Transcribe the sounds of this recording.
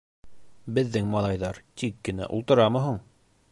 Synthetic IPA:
bɘ̆ðːɘŋmɑlˠɑjðɑɾt̪ikːɘ̆næ̰ʔṵlˠt̪ɤ̆ɾɑmɤ̆ɦuɴ

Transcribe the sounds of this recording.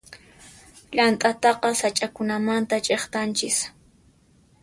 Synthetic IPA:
ʎant̪ʼat̪ɑqɑsat͡ʃʼakʊnamant̪at͡ʃʼeχt̪ant͡ʃɪs

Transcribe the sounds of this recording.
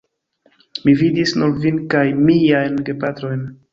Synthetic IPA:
mividisnuɾvinkajmijajnɡepatɾo̞jn

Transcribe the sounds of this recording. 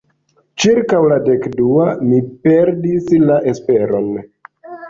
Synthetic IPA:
t͡ʃiɾkawlade̞kduamipe̞ɾdislaʔe̞spe̞ɾo̞n

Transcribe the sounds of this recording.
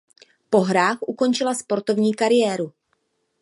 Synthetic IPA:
po̞ɦɾaːxʔuko̞nt͡ʃɪlaspo̞ɾt̪o̞vɲiːkaɾɪjɛːɾu

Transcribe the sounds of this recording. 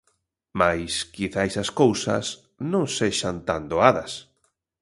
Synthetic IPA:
majskiθaesaskowsɐ̰s | nõŋseʃant̪and̪oaðɐs

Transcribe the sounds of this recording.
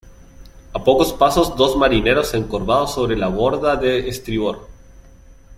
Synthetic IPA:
apoko̞spaso̞zd̪o̞zmaɾine̞ɾo̞se̞ŋkoɾβaðoso̞β̞ɾe̞laβo̞ɾðaðeːst̪ɾiβoɾ

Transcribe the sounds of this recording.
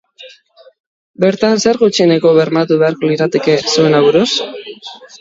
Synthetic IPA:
be̞ɾt̪anse̞ɾɣut͡ʃienekoβe̞ɾnat̪uβe̞aɾkoniɾat̪eke̞sue̞naβuɾus

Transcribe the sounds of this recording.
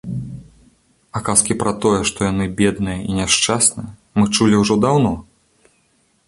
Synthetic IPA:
akaskʲipɾɐt̪ɔjɛʂt̪ɔjan̪ɨbʲɛd̪nɨjɐinʲaʂt͡ʂasnɨjɐ | mɨt͡ʂulʲiwʐɔd̪awnɔ

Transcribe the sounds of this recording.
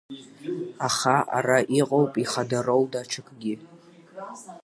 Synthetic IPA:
aχaʔa̰raʔiqʼowpʼiχadaroldaʈ͡ʂʰɨkʼɡʲɪ

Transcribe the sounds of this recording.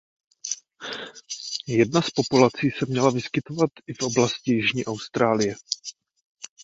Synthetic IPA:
jɛdnaspo̞pulat͡siːsɛmɲɛlavɪskɪt̪ovat̪ʔɪfʔo̞blascɪjɪʒɲiːʔawst̪ɾaːlɪjɛ

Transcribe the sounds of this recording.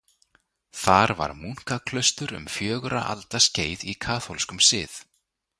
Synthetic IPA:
θaɾva̰ɾmuŋ̥kakʰlœst̪ʏɾʏ̰mfjœːɣʏɾa̰ʔa̰lt̪asceːjðikʰaːθolskʏmsɪːθ

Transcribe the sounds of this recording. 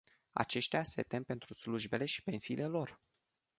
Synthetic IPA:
a̰t͡ʃe̞ʃt̪ease̞t̪e̞mpe̞nt̪ɾusluʒbe̞le̞ʃi̥pe̞nsiːlʔe̞lo̞r

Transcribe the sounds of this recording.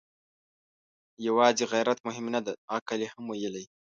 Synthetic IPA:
jawɑːziɣajɾat̪mʊɦɪmnad̪aakalehamwajəlaj

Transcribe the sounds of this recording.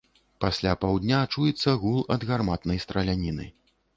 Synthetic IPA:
pasʲlʲapawd̪ʲnʲat͡ʂujɛt̪sːɐɣulˠɐd̪ɣarmat̪nɐjst̪ɾɐlʲanʲinɨ̰

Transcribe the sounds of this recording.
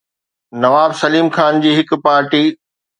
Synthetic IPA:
nɐʋaːbsɐliːmxaːnd͡ʑiːɦɪkʊ̆paːɾʈiː

